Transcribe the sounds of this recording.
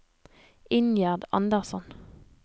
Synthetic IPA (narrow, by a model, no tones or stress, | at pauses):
ɪnjæːʁd̪ɑ̰nd̪əʁsɔn